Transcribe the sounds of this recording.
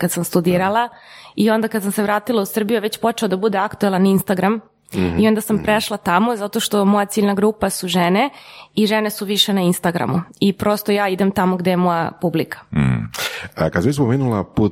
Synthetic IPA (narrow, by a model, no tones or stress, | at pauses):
kad̪samst̪ud̪iːɾalˠaio̞nd̪akad̪samseʋɾaːt̪ilˠausr̩bijuʋe̞t͡ɕpo̞t͡ʃeod̪abud̪e̞akt̪uelaninst̪aɡɾam | io̞nd̪asampɾeʃlˠat̪amo̞zat̪o̞ʃt̪o̞mo̞jat̪siːʎnaɡɾuːpasuʒene̞iʒenesuʋiʃe̞nainst̪aɡɾa̰muipɾo̞st̪o̞jaːid̪e̞mt̪amoɡd̪ejemo̞japublikḁ | əkad̪sispomeːnulˠapuːt̪